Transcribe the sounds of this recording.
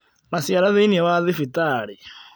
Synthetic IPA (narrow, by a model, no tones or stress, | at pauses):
masiaɾaðɛinɛβaðifitaɺi